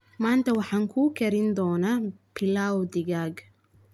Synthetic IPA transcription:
maːnt̪ʰɐwɑħɑːŋkʰuːkʰɛɾɪnd̪ɔːnaːpʰɪlaːwd̪ɪɣaːɡ

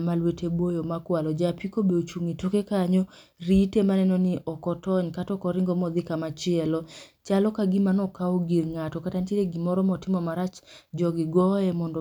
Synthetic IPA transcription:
malwetʰebojomakwalɔd͡ʒapikobeot͡ʃuŋitokekaɲɔ | ɾitemanɛnɔnɪʔɔkɔtɔɲkatɔkɔɾɪŋɡɔmɔd̪ɪkamat͡ʃɪɛlɔt͡ʃalɔkaɡɪmanɔkaɔɡilŋatɔkatantiɾeɡimɔɾɔmɔtɪmɔmaɾat͡ʃd͡ʒɔɡɪɡɔɛmɔndɔ

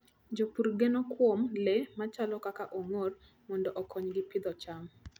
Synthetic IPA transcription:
d͡ʒopuɾɡenokwomlemat͡ʃalɔkakaʔoŋor | mɔndɔʔɔkʰɔɲɡɪpɪd̪ɔt͡ʃam

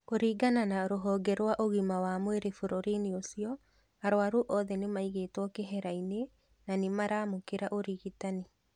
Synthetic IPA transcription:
oɾiːɡananaɾoɦɔːɡɛɾwaʔoɣimawamweɾefoɾoɾiniosiɔ | aɾwaɾuʔɔðɛnemaiɣetwɔkeɦɛɾaine | nanemaɾaːmokeɾaʔoɾiɣitane

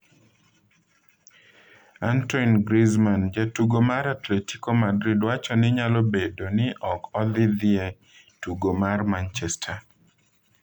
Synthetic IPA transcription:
antɔnɡɾizmand͡ʒatuɡomaɾatleti̥komadɾidwat͡ʃɔnɪɲalɔbedonɪʔɔkɔd̪ɪd̪ɪe | tuɡomarmant͡ʃɛstʰa

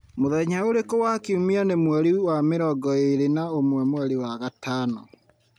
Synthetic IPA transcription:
moðɛɲaoɾekowakeumianemwɛɾiwameɾɔɡɔeɾenaomwɛmwɛɾiwaɣataːnɔ

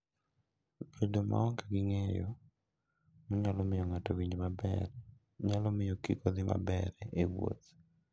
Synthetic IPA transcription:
bedomʔa̰ɔŋkaɡɪŋɛjɔ | mɔɲalɔmɪjɔŋatowiɲd͡ʒmabɛɾ | ɲalɔmɪjɔkḭkɔd̪ɪmʔa̰bɛɾɛewwo̰t̪

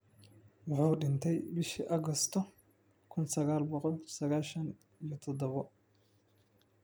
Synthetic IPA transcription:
wɑħuːɖɪnt̪ʰɛjbɪʃiʔɐɣɔst̪ʰɔ | kʰʊnsɐɣaːlbɔqɔlsɐɣaːʃɐn | ijɔt̪ʰɔd̪ɐβɔ

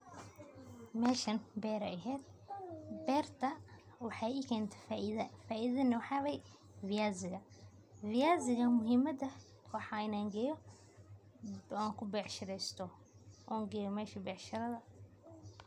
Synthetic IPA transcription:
mɛːʃɐnbɛːɾɐɛɦɛːd̪̚ | bɛːrt̪ʰɐ | wɑħɑjɪkʰɛːnt̪ʰɛ̥ðɐfaːʔiðɐnɐwħɑːβɛj | vɪjaːzɪɣɐ | vɪjaːzɪɣɐmʊɦɪmɐd̪ɐ | wɑħɑɪnaːŋɡɐjɔ | aːŋkʰʊbɛʕʃɪɾɛst̪ʰɔ | ʔɔːŋɡɐjɔmɛːʃɐbɛːʕʃɪɾɐðɐ

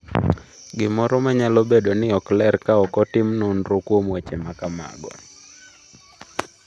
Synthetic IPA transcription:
ɡɪmɔɾɔmaɲalobedonɪɔklɛrkaɔkɔtɪmnonɾokwomwet͡ʃemakama̰ɡɔ̰

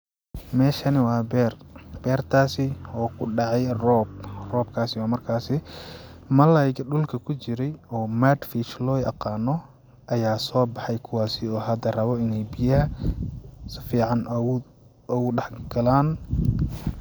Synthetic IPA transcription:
mɛːʃɐnɪwɑːbɛrb̥ɛːrt̪ʰaːsɪɔːkʰʊɖɑʕɑjrɔːbrɔːbkʰaːsɪwɑːmɐrkʰaːsɪ | mɐlɐjɣɐɖʊlkʰɐkʰʊt͡ʃɪɾɛjɔːmad̪fit͡ʃlɔːjʔɐ̰qɑːnɔ | ʔɐjaːsɔːbɑħɑjkʰʊwɑːsɪɔːɦɐd̪ɐrɐβɔɪnɛjbɪjɐɦɐ | sɪfiːʕɑn | ɔɣʊɖɑħɡ̥ɐlaːn

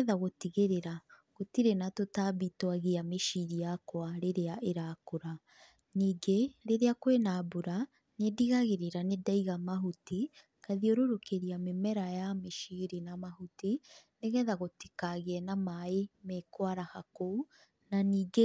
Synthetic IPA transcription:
ðaɣotiɣeɾeɾaɣotiɾenatotaβitwaɣiameʃiɾijakwaɾeɾeaʔeɾaːkoɾa | niːɡeɾeɾeakwenaboɾa | nediɣaɣeɾeɾanedaiɣamaɦuti | kaðioɾoɾokeɾiamemɛɾajameʃiɾinamahutineɣɛðaɣoti̥kaɣeɛnamaemekwaɾahakou | naniːɡe

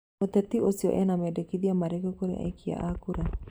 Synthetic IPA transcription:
ot̪ɛt̪iosiɔ̰ʔɛnamɛdekiðiamaɾekokoɾḛʔa̰ikia̰ʔakuɾa

